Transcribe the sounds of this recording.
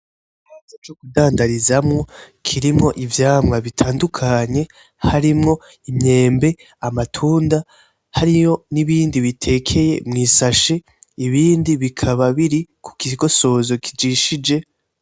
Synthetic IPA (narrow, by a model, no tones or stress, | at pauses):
hat͡ʃot͡ʃokudaːndaɾizamŋo̞ | kʰiɾimŋo̞ʔivjaːmŋaβitʰaːndukʰaɲe̞ | haɾimŋo̞ | imɲe̞ːmbe̞ | amatʰuːnda | haɾijo̞niβiːndiβitʰe̞ːkʰe̞je̞̰mŋiːsaʃe | iβiːndiβikʰaβaβiɾikʰu̥kiɡo̞so̞zo̞kid͡ʒiʃid͡ʒe̞